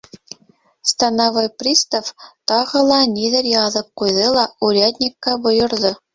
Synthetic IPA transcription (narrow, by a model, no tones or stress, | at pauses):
st̪ɑnɑʋɤjprʲist̪oft̪ɑʁɤ̆lˠɑnʲid̪ʲɘ̆rʲjɑðɤ̆kkujðɤlˠɑurʲɑd̪ʲnʲikːɑbɤ̆jɤ̆rzɤ̆